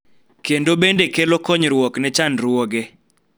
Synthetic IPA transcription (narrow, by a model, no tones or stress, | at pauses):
kendobendekelokɔɲɾwɔknɛt͡ʃanɾwoɡe